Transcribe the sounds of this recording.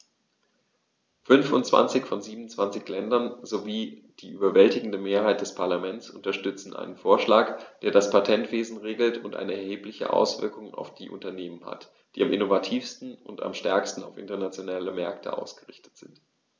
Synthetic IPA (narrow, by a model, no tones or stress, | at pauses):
fʏnfʊnt͡sv̥a̰nt͡sɪçfɔnziːbm̩nt͡sv̥ant͡sɪçlɛndɐnzoviːd̥iːʔyːbɐvɛltɪɡŋ̩dəmeːɐhaɪt̚d̥ɛspʰaɐlamɛnt͡sʔʊntɐʃtʏt͡sn̩ʔa̰ɪnənfoːɐʃlaːkd̥eːɐɾaspʰatʰɛntv̥eːzn̩ʁeːɡl̩tʰʊntʔa̰ɪnəɛɐheːplɪçə̰ʔa̰ʊsv̥ɪ̰ɐkʊŋa̰ʊfd̥iːʔʊ̰ntɐneːmənha̰t | d̥iːamʔɪnovatʰiːfstn̩ʊnta̰mʃtɛɐkstn̩aʊfɪ̰ntɐnat͡sjonaːləmɛɐktʰə̰ʔa̰ʊsɡ̥əʁɪçtə̥tz̥ɪnt